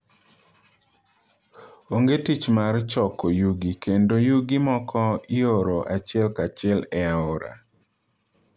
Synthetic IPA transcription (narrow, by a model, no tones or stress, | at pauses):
oŋɡetit͡ʃmart͡ʃɔkojuɡikendojuɡimɔkʰɔioɾoʔat͡ʃɪɛlkat͡ʃɪɛlɛaoɾa̰